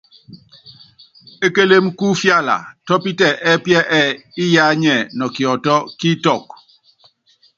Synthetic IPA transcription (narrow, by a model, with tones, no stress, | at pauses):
e˦ke˦le˦mku˦fja˦la̰˨tɔ˦pi˦tɛ˦˨ʔɛ˦pjɛ˦ʔɛ˦˨i˦ja˦ɲɛ˨nɔ˨kjɔ˨tɔ˦ki˦tɔ˦˨k̚